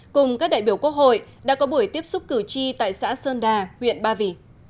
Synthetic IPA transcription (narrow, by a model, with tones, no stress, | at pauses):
kʊ˨˩ŋ͡mkaː˦˥k̚ɗa̰ː˧˨jɓi˧˩əwkwək̚ho̰˧˨jɗa̰ː˧˥kɔ˨˦ɓu˧˩əjt̪i˦˥əp̚sʊ˦˥k͡p̚kɨ˨˧˩t͡ɕi˧t̪a̰ː˧˨jsa̰ː˧˥səː˧nɗaː˨˩hwḭ˧˨ənɓaː˧vi˧˩